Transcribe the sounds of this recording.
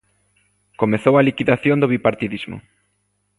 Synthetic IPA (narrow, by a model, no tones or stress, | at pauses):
komeθowɐlikiðaθjond̪oβipaɾt̪iðizmʊ̰